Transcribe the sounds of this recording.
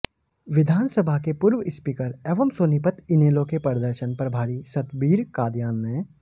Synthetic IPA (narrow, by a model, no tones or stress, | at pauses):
ʋɪd̪ʱaːnsəbʱakepʊɾʋəɪspiːkəɾeːʋəmsoːnipət̪ʰɪneːlokepəɾd̪əɾʃənpɐɾbʱaːɾisɐt̪biːɾkaːd̪jaːnːẽ